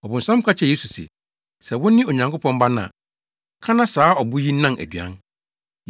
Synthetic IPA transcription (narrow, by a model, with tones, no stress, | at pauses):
ɔ˨bʊ̃˨n̩˨sã˦m˦kʰʷa˦t͡ɕʰɛ˦˨je˦su˨sɛ̰˨ | sɛ˨wʊ̃˦nɪ̃˦o˨ɲã˨ŋkʰo˦pʰɔ̃˦mba˦nã̰˨ | kʰã˦nã˦saː˨˦ɔ˨bʊ˦ji˦nã˦nʔæ̰˨dɥã̰˦n